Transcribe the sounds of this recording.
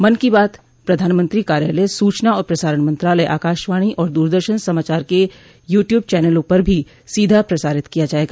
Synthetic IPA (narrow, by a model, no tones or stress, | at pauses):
mɐnkibaːt̪ | pɾɐd̪ʱaːnmə̃nt̪ɾikaːɾja̰ːləsuːt͡ʃnaɔːɾpɾɐsaːɾəɳmɐ̃nt̪ɾaːləeʔa̰ːkaːʃʋaːɽ̃iʔɔːɾd̪uːɾd̪əɾʃənsɐmaːt͡ʃaːɾke | juːʈjuːb̚t͡ʃɛːnəlopəɾbʱi | siːd̪ʱapɾɐsaːɾɪt̪kijad͡ʒaːeːɡaː